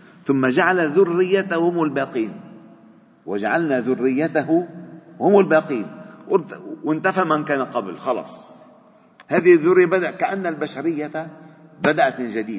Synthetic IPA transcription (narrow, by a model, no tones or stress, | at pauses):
θʊmːad͡ʒaʕalaðʊrːɪjːat̪ahhʊmɪlbaːqiːn | wɪd͡ʒaʕalnaðʊrːɪjːat̪ahʊhʊmɪlbaːqiːnwɪt̪wɪnt̪afamankaːnaqɑblxɑlɑ̰ːsˤ | haːðɪhɪðːʊrːjabad̪aʔkaʔanːalbaʃaɾɪjːa | bad̪aʔat̪mɪnd͡ʒad̪iːd̪̚